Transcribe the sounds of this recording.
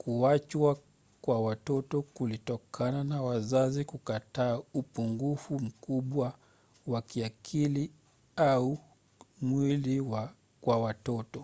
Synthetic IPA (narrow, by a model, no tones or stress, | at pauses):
kuat͡ʃwa | kwawatɔtɔkulitɔkʰananawazazikukataːupuŋɡufum̩kuɓwa | wakiakʰili | au | mwiliwa | kwawatɔtɔ